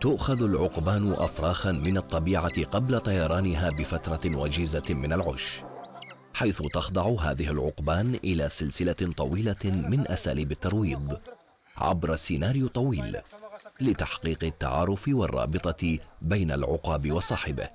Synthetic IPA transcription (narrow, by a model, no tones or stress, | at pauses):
t̪ʊʔxaðalʕʊqbaːnʊʔa̰fɾˤɑːxanmɪnɑt̪ˤːɑbiːʕaqɑblat̪ˤɑjɑɾˤɑːnɪɦaːbɪfat̪ɾˤɑwaːd͡ʒɪzamɪnalʕʊʃ | ħajθʊt̪ɑxd̪ˤɑʕʊɦa̰ːðɪhɪlʕʊ̰qbaːnʔɪlaːsɪlsɪlat̪ˤɑwiːlamɪnʔasaːliːbat̪ːɑɾˤwiːðˤ | ʕa̰bɾˤɑsːɪnaːɾɪjʊt̪ˤːɑwiːl | lɪt̪aħqiːqɪt̪ːa̰ʕɑ̰ːɾˤʊfɪwɑrˤːɑ̰ːbɨt̪ˤɑbajna̰lʕʊ̰qɑːbɪwɑsˤɑːħɪbɪ̰h